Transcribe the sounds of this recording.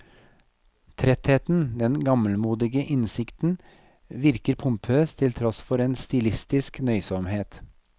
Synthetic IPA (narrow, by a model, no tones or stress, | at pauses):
t̪ʰɾɛt̪heːt̪n̩d̪ɛnɡɑməlmuːd̪ɪɡəʔɪnsɪkt̪n̩ | ʋɪɾkəɾpʰʊmpʰøːst̪ʰɪlt̪ʰɾɔsfɔɾeːnst̪ɪlɪst̪ɪsknœʏsɔmheːt̪